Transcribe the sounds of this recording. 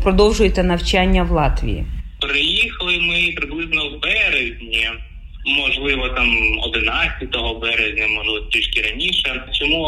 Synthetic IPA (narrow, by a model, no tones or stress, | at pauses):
pɾɔd̪ɔwʒʊjet̪ɛnɐwt͡ʃanʲːɐwlˠɑt̪ʋʲḭjḭpɾɪjixɐlˠɪmɪpɾɪblˠɪznɔwbɛɾezʲnʲi | mɔʒlˠɪʋɔt̪ɑmɔ̰d̪ɪnɑt͡ssʲɐt̪ɔɦɔbɛɾɛzʲnʲɐmɔʒlˠɪʋtʲiʃkɪɾɐnʲiʃɛt͡ʃɔmu